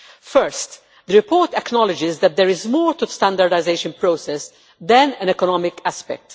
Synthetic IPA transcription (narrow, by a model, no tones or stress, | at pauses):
fɛɾst̪ | d̪əɾɪpɔːɹt̪ɛknɔlɪd͡ʒɪzd̪ɛt̪̚d̪ɛɾɪzmɔːɾt̪ust̪ãnd̪aɾdaɪzeɪʃə̃npɾoːsɛs | d̪ɛ̃nɛ̃nɛkɔnɔmɪkʰæspɛ̰k̚t̪